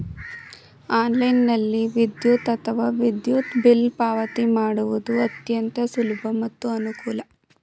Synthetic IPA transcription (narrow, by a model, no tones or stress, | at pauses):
aːnlɐjnːɐlːiʋid̪jut̪ɐt̪ʰɐʋaːʋid̪jut̪bilpaːʋɐt̪imaːɽuʋud̪uɐt̪jɐnt̪ɐsulubʱɐmɐt̪ːuɐnukuːlɐ